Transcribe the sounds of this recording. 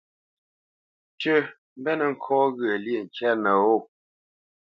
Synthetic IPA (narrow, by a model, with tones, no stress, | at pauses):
tə˦ | m̩˦bɛ˦nə˨ŋ̩˨kʰɔː˦ɣə˨lje˦˨ŋ̩˨kɛ˦nə˨o˦˨